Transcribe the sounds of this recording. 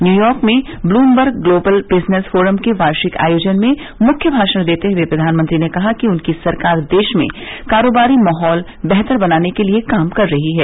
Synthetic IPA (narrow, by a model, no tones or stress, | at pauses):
njuːjɔːɾkmẽ | bluːmbəɾɡːloːbəlbɪznesfoːɾəmkeʋaːɾʃɪka̰ːjoːd͡ʒənmẽ | mʊkʰjəbʱaːʃəɽ̃d̪eːt̪eɦepɾɐd̪ʱaːnmə̃nt̪ɾinekɐɦakiʊnkisɐɾkaːɾd̪eːʃmḛ̃kaːɾoːbaːɾimaːɦɔːl | bɛɦt̪əɾbɐnaːnekeliekaːmkɐɾːɐɦiɦɛː